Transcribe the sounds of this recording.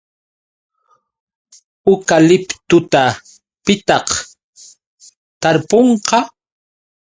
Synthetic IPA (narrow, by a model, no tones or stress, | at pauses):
ʊkalɪpt̪ʊt̪a | pɪt̪ɑq | t̪aɾpoɴqɑ